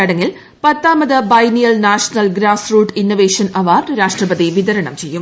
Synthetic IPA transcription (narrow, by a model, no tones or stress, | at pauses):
ɐɽɐŋːil | pɐt̪ːaːmɐðɨbɐjnijɐlnaːʂɐnɐlɡɾaːsruːʈːinːoʋeːʂɐnɐʋaːrɾaːʂʈrɐbɐðiʋid̪ɐɾɐɳɐ̰mt͡ɕe̞jːum